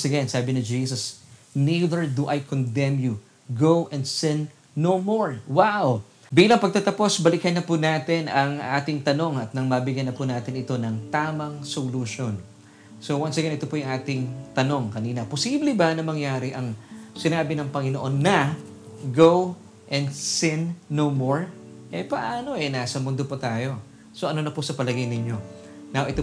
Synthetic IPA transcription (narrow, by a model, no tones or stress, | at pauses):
sɐɡɛnsaːbɪnɪd͡ʒiːsɐsniðɛɹd̪uʔɐjkond̪ɛmju | ɡowʔɛnd̪sɛ̃nː | owmoɹwaw | biːlɐŋpɐɡ̚t̪at̪ɐpo̞sbɐlɪkɐnːɐpunaːt̪ɪnɐŋʔaːt̪ɪŋt̪ɐno̞ŋɐt̪̚nɐŋmɐbɪɡjɐnːɐpunaːt̪ɪnɪt̪o̞nɐŋt̪aːmɐŋsoluʃon | so̞wɐnsɐɡɐnɪt̪opojʊŋʔaːt̪ɪŋt̪ɐno̞ŋkɐniːnɐposiːblɛbɐnɐmɐŋjaːɾɪʔɐŋsɪnaːbɪnɐŋpɐŋɪnoʔo̞nːɐ | ɡow | ʔɛnd̪sɪnːomoɹ | ʔɛpɐʔaːno̞ʔɛnaːsɐmʊnd̪opɐt̪aːjo̞ | soʔɐnonɐpʊsɐpɐlɐɡɐjnɪɲːo̞ | nɐwʔɪt̪o